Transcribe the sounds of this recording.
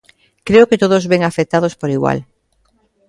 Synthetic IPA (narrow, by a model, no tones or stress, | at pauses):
kɾeoket̪oðozβeŋafet̪að̞ospoɾiɣwa̰l